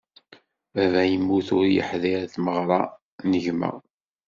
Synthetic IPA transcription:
ævæjəmːuθʊɾjə̰ħðiɾθməʁɾˤɑ | nəʝmə̰ʁ

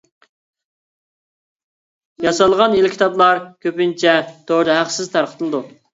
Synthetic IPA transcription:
jɑsɑlˠʁɑnelkʲʰi̥t̪ʰɑplˠɑɾkʲʰøpɪnt͡ʃʰɛt̪oɾd̪ɨɦæqsɪzt̪ʰæɾqʰə̥t̪ʰɨlˠɨd̪u

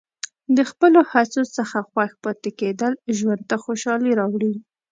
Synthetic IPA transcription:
d̪əxpəlohat͡sosəxaxwaxpɑt̪eked̪əlʒwand̪̚t̪axoʃɑliɾɑwɽi

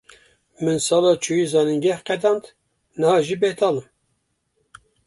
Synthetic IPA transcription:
mɨnsɑːlɑːt͡ʃʰujizɑːniŋɡɛhqɛd̪ɑːnd̪ | nɨhɑːʒibet̪ʰɑːlɨm

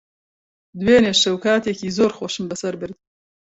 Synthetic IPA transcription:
d̪weːneːʃɐwkaːt̪ekiːzoːɾxoʃɨmbɨsɐɾbɨɾd̪̚

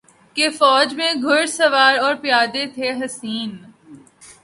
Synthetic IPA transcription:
kefɔːd͡ʒmẽɡʱʊɾsɐʋaːɾɔːɾpjaːd̪et̪ʰeɦɐsiːn

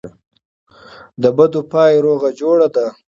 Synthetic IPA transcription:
d̪əbad̪opɑjeɾoɣad͡ʒoɽad̪a

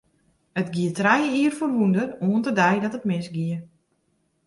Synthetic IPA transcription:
ətɡiətrɛjiərforʋundəruəntədɛjdɔtətmɪnsɡiə

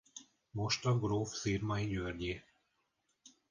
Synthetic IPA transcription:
mo̞ʃt̪ɒɡroːfsiːrmɒiɟørɟi

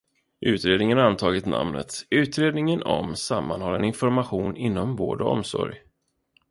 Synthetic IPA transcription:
ʔʉ̟ːt̪ɾeːd̪nɪŋənant̪ʰɑːɡɪt̪nʔa̰mnə̰t̪ʉ̟ːt̪ɾeːd̪nɪŋənɔ̰msamːanhɔɾɛnɪnfɔɾmaɧuːnɪnːɔmvoːɖɔ̰msɔ̰ɾj

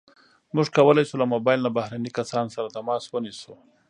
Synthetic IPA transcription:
muʒkawəlajsulamobɑjɪlnabahɾanikasɑnsaɾat̪amɑswənisu

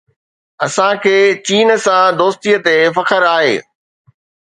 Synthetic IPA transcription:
ɐsãkʰeːt͡ɕiːnə̆sãd̪oːst̪iət̪efɐkʰəɾaːɦḛː

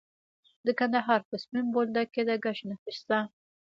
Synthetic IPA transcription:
d̪əkand̪aɦɑɾpəsmimbold̪aked̪aɡaʃnafiʃt̪a

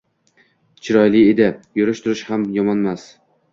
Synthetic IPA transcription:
t͡ʃʰɪɾɒjlɪed̪ɪjʊɾɪʃt̪ʰʊɾɪʃhamjɒmɒnmas

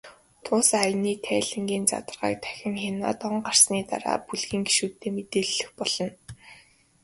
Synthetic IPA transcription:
t̪ʰʊːsajniːt̪ʰæːɮɘ̆ŋɡiːnt͡sa̰t̪ə̆rʁa̰ːk̚t̪ʰæ̥xʲɪ̆ŋxena̰ːt̪ɔɴɢar̥sniːt̪a̰ɾa̰ːpuɮɣiːŋɡi̥ʃuːt̪ʰːeːmet̪eːɮːɘ̆xpɔɮ̥ɞ̆n

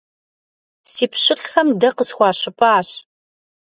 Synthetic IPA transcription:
siːpʰɕɪɬxɐmdɐqəsxʷɑːɕɪpʼaaːɕ

